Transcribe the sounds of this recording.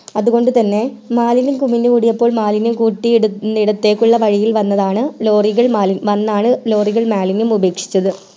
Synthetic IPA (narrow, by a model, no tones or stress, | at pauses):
ɐðuɣo̞ɳɖɨt̪ɐnːe̞maːlinumkumindeuɽijɐpːo̞ːɭmaːlinumkuːʈːijeɽuiɽɐt̪ːe̞ːkːuɭːɐʋɐɻijilʋɐnːɐðaːɳɨlo̞ːriɣɐɭmaːliʋɐnːaːɳɨlo̞ːriɣɐɭmaːlinumube̞ːkʂi̥t͡ɕːɐðɨ